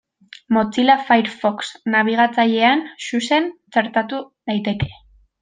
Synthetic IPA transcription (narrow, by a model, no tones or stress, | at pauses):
mo̞t͡silafajɾfoksnaβ̞iɣ̞at͡saʎe̞ansuse̞nt͡seɾt̪at̪u | ðajt̪e̞ke̞̥